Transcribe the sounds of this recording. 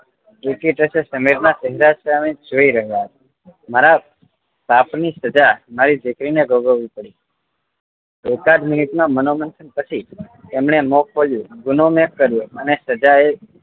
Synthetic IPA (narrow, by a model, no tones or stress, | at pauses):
ekiʈəsesəmiɾnasəɦiɾasamẽd͡ʒoiɾəɦjaɦət̪ | maɾa | bapnisəd͡ʒamaɾid̪ekɾineɡʱoɡəʋːipəɽi | ekad͡ʒmɪnɪt̪mãmənomənt̪ʰənpət͡ʃʰi | t̪emɳ̃emɔkʰːoljũɡʊnomekːəɾjũənesəd͡ʒae